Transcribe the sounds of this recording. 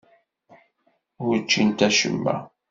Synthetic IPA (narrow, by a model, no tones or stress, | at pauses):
ʊɾt͡ʃːint̪æʃə̰mːæ̰